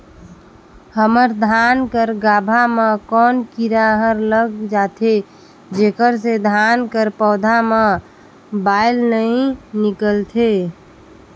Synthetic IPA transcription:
həməɾd̪ʱankəɾɡabʱamekɔnkiɾaɦəɾləɡd͡ʒat̪ʰe | d͡ʒekəɾsed̪ʱankəɾpɔːd̪ʱame | bajlnəĩnikəlt̪ʰe

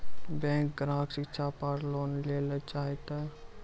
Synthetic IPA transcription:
bɛ̃ːŋk̚ɡɾãːɦksɪkt͡ʃʰapəɾloːnleːlət͡ʃaːit̪a

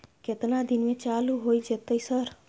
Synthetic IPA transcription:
ket̪nad̪inmẽt͡ʃaluɦoid͡ʒet̪əjsəɾ

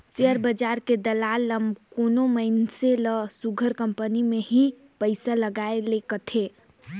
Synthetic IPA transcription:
seəɾbəd͡ʒaɾked̪əlalːəmkonoməɪnseləsuɡʱəɾkəmpənimeɦĩ | pəɪsaləɡaelekət̪ʰe

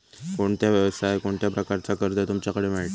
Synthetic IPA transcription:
koɳt̪jaʋjəʋst̪ʰaekoɳt̪japɾəkaɾt͡sakəɾd̪ət̪umt͡ɕjakəɽemeɭʈ̪

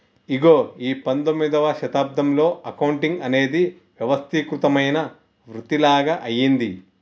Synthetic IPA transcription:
iɡo̞ːiːpɐnd̪omːid̪ɐʋɐʃɐt̪aːb̚d̪ɐmlo̞ːɐkɐwuɳʈiŋɡɐne̞ːd̪i | ʋjɐʋɐst̪ʰikɾut̪ɐmɐjnɐ | ʋɾut̪ilaːɡɐʔɐjːind̪i

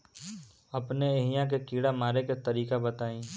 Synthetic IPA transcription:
ɐpneeɦɪjãk̬ekiːɽamaːɾeket̪ɐɾiːkabɐt̪aːĩː

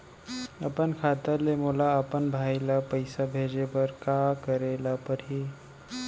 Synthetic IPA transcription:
əpənkʰat̪əlemolaəpənbʱajlapəjsabʱed͡ʒebəɾkakəɾelapəɾɦiː

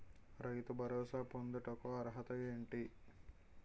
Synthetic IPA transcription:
ɾɐjt̪ubʱɐɾɔːsaːpond̪uʈɐkoɐɾɐɦɐt̪ɐeːɳʈi

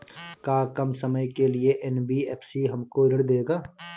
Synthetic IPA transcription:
kaːkɐmsɐməjkelieʔɛnbiɛːpʰsiɦɐmkoɪɾəɽd̪eːɡaː

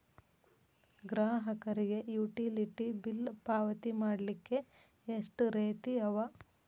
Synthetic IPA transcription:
ɡɾaːɦɐkɐɾiɡe̞juːʈiliʈibilpaːʋɐt̪imaːɽlikːe̞ | eʂʈɾeːt̪iɐʋa

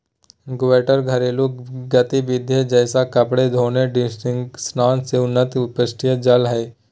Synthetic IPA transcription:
ɡʊʋeːʈəɾɡʱəɾelukɡət̪ibɪd̪ʱjed͡ʒɛːsakəpɽed̪ʱoːneɖɪsʈɪŋksnaːnseʊnːət̪ʊpəsʈʰijəd͡ʒɐlɦɛː

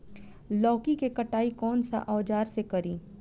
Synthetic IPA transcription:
lɔːkikekɐʈaːikɔːnsa̰ʔɔːd͡ʒaːɾsekɐɾiː

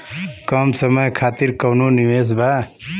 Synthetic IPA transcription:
kʌmsʌmʌjkʰat̪iɾkʌwnuniwes̬bʱa

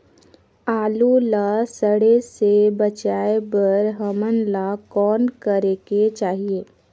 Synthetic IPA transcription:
aːlulasəɽesebət͡ʃaːebəɾɦəmənlakɔːnkəɾeket͡ʃaːɦieː

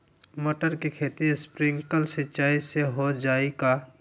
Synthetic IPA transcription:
moːʈəɾkikʰeːt̪ispɾɪ̃ŋɡkəlsɪt͡ʃaːiseɦod͡ʒaːika

